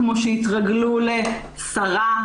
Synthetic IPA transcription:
moʃeitʁaɡlule | saʁa

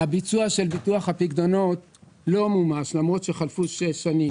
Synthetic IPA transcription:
abit͡suaʃe̞lbituaχhapiɡd̪o̞no̞t | lo̞mumaʃlamʁo̞t̪ʃeχalfuʃeʃanim

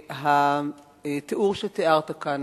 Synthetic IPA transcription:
ɦa | t̪eʔuʁʃet̪eaʁt̪akan

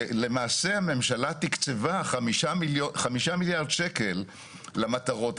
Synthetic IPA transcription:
le̞maːse̞hame̞mʃalat̪ikt͡sevaχamiʃailjoχamiʃamiljaʁd̪ʃeke̞lː | amat̪aʁo̞t

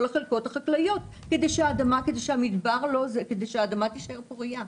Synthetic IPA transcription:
leχelko̞taχaklajo̞t̪ | ke̞d̪ejʃeaːdamaked̪ejʃehamid̪baʁlo̞zeked̪ejʃeaːd̪amat̪iʃaeʁpoʁija

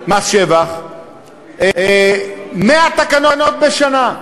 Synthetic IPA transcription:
maʃevaχ | meat̪akanonot̪̚beʃana

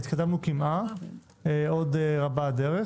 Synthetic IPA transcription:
it̪kad̪amnukimʔa | o̞d̪eʁabad̪eʁe

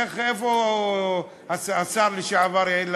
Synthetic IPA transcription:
eχefo | asasaʁliʃeavaɾel

